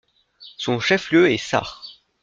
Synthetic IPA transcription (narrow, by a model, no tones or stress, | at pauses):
sɔ̃ʃɛfljøɛsa̰ʁ